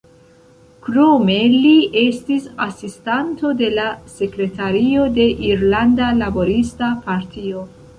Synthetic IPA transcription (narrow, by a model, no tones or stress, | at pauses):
kɾo̞me̞lie̞stisasistanto̞de̞lase̞kɾe̞taɾio̞de̞ʔiɾlandalabo̞ɾistapaɾtʰio̞